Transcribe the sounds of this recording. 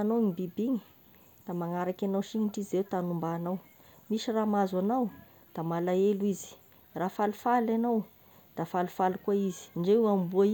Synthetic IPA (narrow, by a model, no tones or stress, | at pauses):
anowŋibibiɲi̥ | d̪amaŋaɾakʲanawʃiɲiɳʈ͡ʂizewt̪anumbaːnaw | miʃiramazanaw | d̪̥amalaeluizi̥ | rafalufalanaw | d̪̥afalufalukuaizi̥ɳɖ͡ʐeuambuai